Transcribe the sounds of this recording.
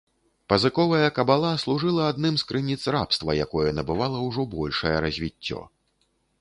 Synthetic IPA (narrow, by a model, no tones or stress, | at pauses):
pɐzɨkɔvɐjɐkɐbalˠaslˠuʐɨlˠɐad̪nɨmskɾɨnʲit̪srapst̪vɐjakɔjɛnɐbɨvalˠɐwʐɔbɔlʲʂɐjɛɾɐzʲvʲit͡sʲːɔ̰